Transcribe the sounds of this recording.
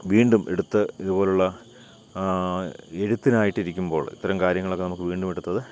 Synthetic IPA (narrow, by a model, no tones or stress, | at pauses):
ʋiːɳɖumḛɽut̪ːɨiðubo̞ːluɭːɐ | eɻut̪ːinaːjiʈːiɾikʲːumbo̞ːɭḭt̪ːɐɾɐmkaːɾjɐŋːɐɭo̞kːenɐmukːɨʋiːɳɖumeɽut̪ːɐðɨ